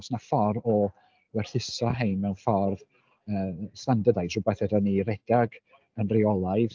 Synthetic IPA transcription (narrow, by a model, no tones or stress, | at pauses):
snafɔɾɔ | wɛrθɪsɔɦejnmɛwnfarð | əːsandədajsrʊbaθɛdəniɾɛd̥aɡ | ənriɔlˠajð